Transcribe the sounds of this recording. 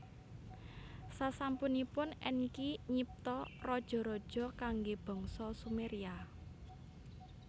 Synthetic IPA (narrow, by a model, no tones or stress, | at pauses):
sasampunipʊnɛnkiɲip̚t̪ɔrɔd̥ʒ̥ɔ̤ɾɔd̥ʒ̥ɔ̤kaŋɡeb̥ɔ̤ŋsɔsumeɾia